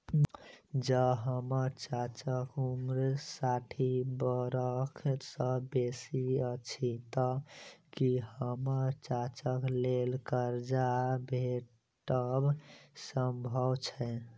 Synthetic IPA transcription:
d͡ʒəɦəməɾt͡ʃat͡ʃəkumɾsaʈʰibəɾəkʰsəbesiət͡ʃʰit̪ɔkihəməɾt͡ʃat͡ʃəklelkəɾd͡ʒabʱe | ʈəbsəmbʱəwt͡ʃʰɛ

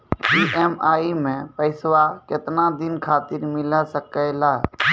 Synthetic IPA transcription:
iːʔɛːmaːimẽːpəɪsʋaːkɪt̪naːd̪ɪnkʰaːt̪ɪɾmɪlaːsəkəelaː

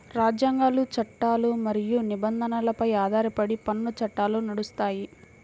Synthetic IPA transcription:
ɾaːd͡ʒjaːŋɡaːlut͡ʃɐʈːaːlumɐɾijunibɐnd̪ʱɐnɐlɐpɐjaːd̪ʱaːɾipɐɽipɐnːut͡ʃɐʈːaːlunɐɽust̪aːji

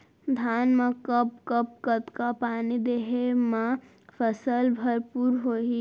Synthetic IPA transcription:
d̪ʱaːnmẽkəp̚kəp̚kət̪kapaːnid̪eɦemã | pʰəsəlbʱəɾpuɾɦoi

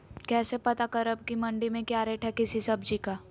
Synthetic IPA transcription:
kɛːsepɐt̪akɐɾəb̚kimɐ̃ɳɖimẽkjaːɾɛːʈʰɦɛkɪsisɐbd͡ʒikaː

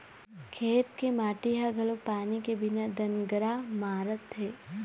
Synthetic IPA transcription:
kʰeːt̪kemaːʈiɦaɡʱɐlopaːnikebʱɪnad̪ɐnɡəɾamaːɾət̪ɦeː

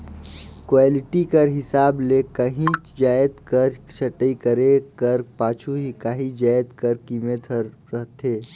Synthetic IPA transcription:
kwaːlɪʈikɐɾɦɪsaːbleːkɐɦĩd͡ʒaːjd̪kɐɾt͡ʃʰɐʈəikəɾekɐɾpaːt͡ʃʰuɦikaːɦĩd͡ʒaːjd̪kɐɾkiːmet̪ʰə | ɾɐɦt̪ɦeː

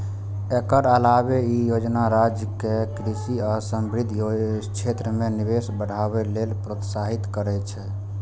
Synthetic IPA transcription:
ekəɾəlabeijod͡ʒnaɾad͡ʒjəkekɾisiasəmbɾid̪ʱjot͡ʃʰet̪ɾəmeniβesbəɽ̤ʱaβelelpɾot̪saɦit̪kəɾɛt͡ʃʰɛ

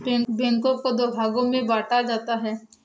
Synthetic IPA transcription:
bɛ̃ŋkõkod̪oːbʱaːɡõmẽbaːʈʰad͡ʒaːt̪aɦɛː

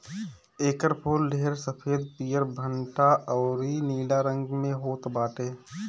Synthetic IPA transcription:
eːkəɾpʰoːlːʱeːɾsəpʰeːd̪̚piːjəɾbʱəɳʈaʔɔːɾiniːɖaɾə̃ŋɡmẽɦoːt̪baːʈeː

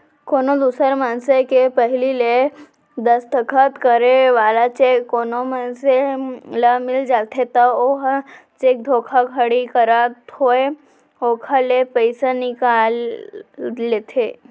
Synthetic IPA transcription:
konod̪usəɾmansekepəɦilile | d̪əst̪əkʰət̪kəɾeʋaːlat͡ʃekːonomanseləmɪld͡ʒat̪ʰet̪əoɦt͡ʃek̚d̪ʱokʰakʰəɽikəɾat̪ʰoe | okʰalepəjsanikalː | et̪ʰe

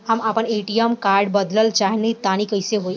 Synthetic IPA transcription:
hamapəɳeʈiemkaɾɖbəd̪ləlt͡ɕaɦniit̪añiːkəjseɦoj

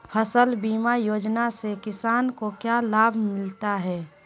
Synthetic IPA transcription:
pʰəsəlbiːmajoːd͡ʒnasekɪsaːnkokjalaːbʱmɪlt̪aɦɛː

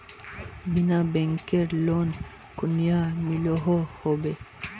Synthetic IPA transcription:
binabɛŋkeɾlon | kunijamiloɦɔhobe

